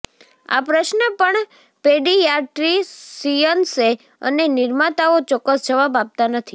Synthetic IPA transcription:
a̰pɾəʃnəpəɳ | peɖijaʈɾisijənse | ə̰nenɪɾmat̪aot͡ʃɔkːəsd͡ʒəʋabap̚t̪anət̪ʰi

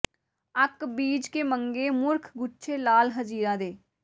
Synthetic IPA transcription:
əkbiːd͡ʒkemə̃ŋɡemʊɾkʰɡʊʃʰelaːlɦəd͡ʒiːɾãd̪eː

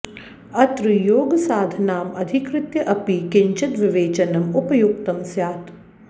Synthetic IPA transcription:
ɐt̪ɾɨjoːɡɐsaːd̪ʱɐnaːmɐd̪ʱikɾɪt̪jɐʔɐpikɪɲt͡ʃɐt̪ʋɪʋeːt͡ʃɐnɐmupɐjuk̚t̪ɐmsjaːt̪

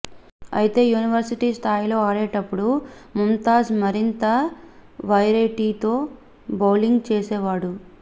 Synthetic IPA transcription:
ɐ̰jit̪e̞ːjuːniʋɐɾsiʈiːst̪ʰaːjlo̞ːaːɽeːʈɐpːuɽumunt̪aːsmɐɾint̪ɐ | ʋɐjɾeʈiːt̪o̞ː | bɐwliŋɡt͡ʃeːsɛːʋaːɽu

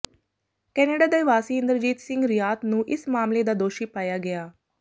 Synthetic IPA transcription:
kɛːneːɖaːd̪əjʋaːsiːɪ̃nd̪əɾd͡ʒiːt̪sɪ̃ŋɡɾɪjaːt̪nũːʔɪsmaːmled̪aːd̪oːʃiːpaːjaːɡɐjaː

